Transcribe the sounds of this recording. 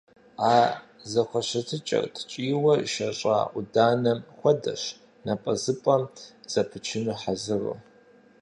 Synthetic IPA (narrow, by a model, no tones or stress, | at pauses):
aː | zɐχʷɐɕɐtʰɨt͡ʃʼɐ̰rtʰt͡ʃʼiːwɐʃɐɕʼa̰udaːnɐmxʷɐdɐ̰ɕ | nɐpʼɐzɨpʼɐmz̥ɐpʰɨt͡ʃʰɪnuħazɨrɨ̰